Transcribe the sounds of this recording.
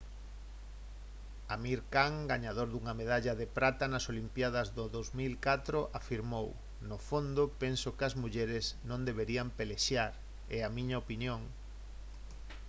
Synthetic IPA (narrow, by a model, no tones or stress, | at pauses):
amiɾkaŋɡaɲaðoɾðuŋameð̞aʎɐðepɾat̪anɐsolimpjaðɐzðoðowzmilkat̪ɾoʔafiɾmow | nofond̪opensokɪɐzmuʎɛɾɪznõnd̪eβeɾiampeleʃjaɾ | ɛamĩɲaopinjõŋ